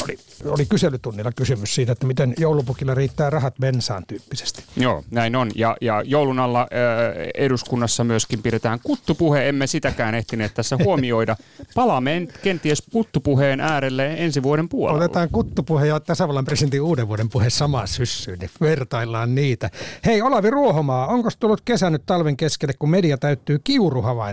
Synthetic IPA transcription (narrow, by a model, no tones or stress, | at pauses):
oli | olikyselːˑyt̪unːilːɑkysymyssiːt̪æet̪ːæmit̪enjoulupukilːɑriːt̪ːæːrɑhɑt̪mensɑ̰ːnt̪yːpːise̥st̪i̥jo̰ːnæinonjɑ̰jɑjoulunɑlːɑ | eduskunːɑsːɑmyøskimpidet̪æːŋkut̪ːupuheemːesit̪ækæːneht̪ineːt̪t̪æsːæhuomioidɑpɑlɑmːeenkent̪iesput̪ːupuheːnʔæːɾelːeensiʋuoɾempuo̰lot̪et̪ɑːŋkut̪ːupuhejɑt̪æsæʋɑlːɑmpresient̪iuːdeʋʋuoɾempuhessɑmɑssysːyːnniʋert̪ɑilːɑːnniːt̪æheiolɑʋiruohomɑːoŋkost̪ulːut̪kesænyt̪t̪ɑlʋeŋkeskelːekkummediɑt̪æyt̪ːyːkiuruhɑʋɑi